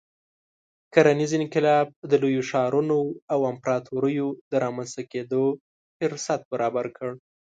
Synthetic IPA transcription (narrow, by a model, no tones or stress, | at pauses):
kaɾanizɪnkɪlɑb̚d̪əlojoʃɑɾunoawampɾɑt̪ʰoɾəjod̪əɾɑmanst̪aked̪o | fɪɾsat̪̚baɾɑbaɾkʰəɽ